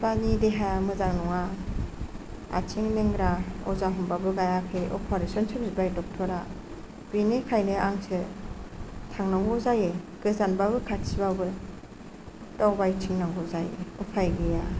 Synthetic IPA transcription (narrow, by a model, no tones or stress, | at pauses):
panideɦamɯzaŋnɔŋa | a̰t͡ʃʰiŋnɯŋɡɾaɔ̰zaɦumbabɯɡajakʰeʔɔ̰pʰɔɾesɔnsʰɯb̚zibajdɔk̚tʰɔɾa | binekʰajnɯʔaŋsɯ | tʰaŋnɔŋɡɔzaje | ɡ̥ɯzanbabɯkʰatsʰibabɯ | tɔwbajtʰiŋnaŋɡɔzajɔpʰajɡɯja